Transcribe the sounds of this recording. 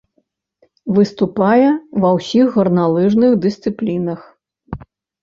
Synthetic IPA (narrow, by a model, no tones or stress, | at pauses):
vɨst̪upajɛvɐwsʲixɣɐrnalˠɨʐnɨxd̪ɨst̪sɨplʲinɐx